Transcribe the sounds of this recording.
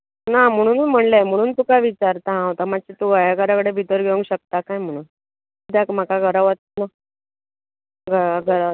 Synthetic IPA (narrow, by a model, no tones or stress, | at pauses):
nam̤əɽ̃uːnm̤əɳlajm̤əɽ̃uːnt̪ukaʋit͡ɕaɾt̪əɦãɦot̪amaɕit̪uɡajaɡəɾakəɽebʱit̪əɾɡʱeʋəŋkɕək̚t̪akajm̤əɽ̃uːn | d̪akm̤akaɡʱəɾaʋət̪̚nə | ɡʱəɡʱəɾa